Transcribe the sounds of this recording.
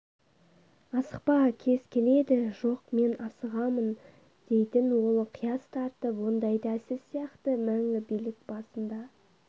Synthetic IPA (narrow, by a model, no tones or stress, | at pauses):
ɑsə̥q̚pɑkʲʰe̞zkʲʰe̞le̞d̪ɪʒo̞qme̞nɑsəʁɑmən | d̪̥e̞jt̪ɪnwo̞lˠqʰijɑst̪ʰɑɾt̪əpwo̞nd̪ɑjd̪æsɪsijɑqt̪əmæŋʲɪbijlɪk̚b̥ɑsənd̪ɑ